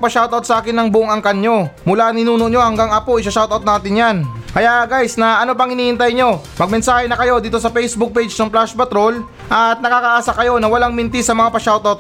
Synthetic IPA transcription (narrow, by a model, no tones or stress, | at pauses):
pɐʃawt̪ɐwt̪sɐʔaːkɪnːɐŋbʊʔoŋɐŋkɐnɲo̞mʊlanɪnuːnoʔɲo̞hɐŋɡaŋɐpoʔɪsɐʃawt̪ɐwt̪naːt̪ɪnjankɐjaʔɡajsnɐɐno̞p̬ɐŋhɪniːɪnt̪ɐjɲo̞ | mɐɡ̚mɛnsaːhɛnɐkɐjo̞d̪iːt̪o̞sɐpɛjsbʊk̚pejd͡ʒnɐŋplaʃpɐt̪ɾo̞l | ʔɐt̪̚nɐkaːkɐʔaːsɐkɐjo̞nɐwɐlaŋmɪnt̪ɪsɐmɐŋapɐʃawt̪awt̪̚